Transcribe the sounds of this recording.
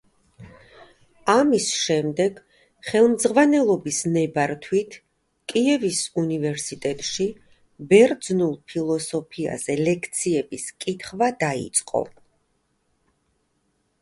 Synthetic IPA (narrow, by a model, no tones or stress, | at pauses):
amisʃɛmd̪ɛɡ̥ | χɛlˠmd̪zʁvanɛlˠɔbisnɛbaɾt̪ʰwit̪ʰ | kʼiɛvisunivɛɾsit̪ʼɛt̪ʼʃi | bɛɾd̪znulˠpʰilˠɔsɔpʰia̰zɛlɛkʰt̪sʰiɛbiskʼit̪ʰχvad̪aḭt̪sʼqʼɔ̰